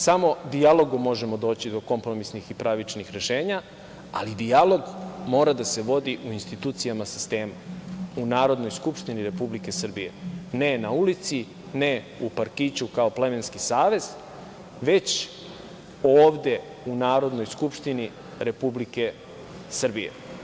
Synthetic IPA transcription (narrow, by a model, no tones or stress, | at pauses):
samo̞d̪ialˠo̞ɡumo̞ʒe̞mo̞d̪o̞ːt͡ɕid̪o̞ko̞mpɾo̞misnixipɾaʋit͡ʃnixɾe̞ʃe̞ːɲa | alid̪ialo̞ɡmo̞ːɾad̪ase̞ʋo̞d̪iʔuinst̪it̪uːt̪sijamasist̪eːmaunaːɾo̞d̪no̞jskupʃt̪iniɾe̞publike̞sr̩bije̞̰ne̞naulit̪si | ne | upaɾkit͡ɕukao̞ple̞me̞nskisaːʋe̞z̥ | ʋe̞t͡ɕ | oːʋd̪e̞ | unaːɾo̞d̪nojskupʃt̪ini | ɾe̞publike̞ | sr̩bijḛ